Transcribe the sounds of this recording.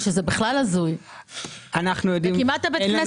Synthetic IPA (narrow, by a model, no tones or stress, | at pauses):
ʃezebiχlalazuj | anaχnujod̪imkimat̪ːabet̪ne